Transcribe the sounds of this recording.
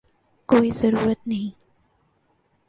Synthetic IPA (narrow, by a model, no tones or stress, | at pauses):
koːjzɐɾuːɾat̪̚ni